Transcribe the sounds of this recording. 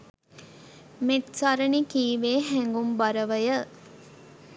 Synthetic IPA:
meʈsɐɾɐnikiːʋeːɦɛŋɡumbɐɾɐʋɐjə

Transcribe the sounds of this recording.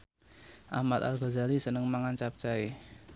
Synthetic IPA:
ʔa̰hmat̪̚a̰lɡɔ̤zalisənəŋmaŋant͡ʃap̚t͡ʃae

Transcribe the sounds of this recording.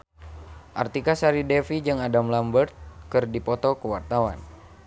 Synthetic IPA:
ʔa̰rt̪ikasaɾidɛfid͡ʒɨŋadamlambərt̪̚kɨrdipɔt̪ɔkəwart̪awa̰n

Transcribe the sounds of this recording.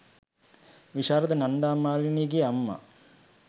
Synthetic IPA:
ʋiʂaːɾɐt̪ənɐɳɖaːmaːɾiniɡiamːa̰

